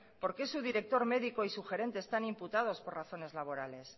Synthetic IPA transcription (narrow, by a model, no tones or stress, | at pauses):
po̞ɾke̞suðiɾe̞k̚t̪o̞ɾme̞ðiko̞isuxe̞ɾe̞nt̪eːst̪animput̪að̞o̞spo̞raθo̞ne̞zlaβ̞o̞ɾale̞s